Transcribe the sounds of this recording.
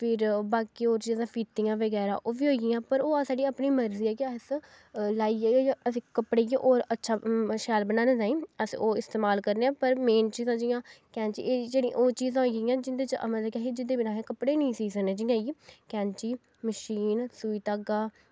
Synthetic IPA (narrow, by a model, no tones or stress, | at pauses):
pʰɪɾbaːkiːoːɾt͡ʃiːzãːpʰiːt̪ːɪjãːʋəɡɛːɾã̰ːʔoːʋiːɦoːiɡɪ̃ãːpəɾoːaːsaːɖiːaːpniːməɾziːaːkɪəs | laːiːaːjaːəsĩːkəpɽḛːʔoːɾətːʃʰaːʃɛːlbənãːnẽːd͡ʒãːĩːəsoːɪst̪eːmaːlkəɾneːãːpəɾmeːnt͡ʃiːzãːd͡ʒɪjãːkɛːnt͡ʃḭːeːd͡ʒeːɽḭ̃ʔoːt͡ʃiːzãːɦoiɡiːãːd͡ʒɪnd̪eːt͡ʃmət̪ləbkaːɦid͡ʒɪnd̪eːbɪnaːɦẽːkəpɽeːnĩːsiːsənẽːd͡ʒɪjãːiːkɛ̃ːnt͡ʃiː | məʃiːnsuːiːt̪aɡaː